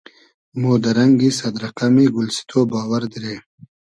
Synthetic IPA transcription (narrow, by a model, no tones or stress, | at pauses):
mod̪ɐɾɐŋɡisɐd̪ɾɐqamiɡʊlsi̥t̪ʰobɑːwaɾd̪iɾeː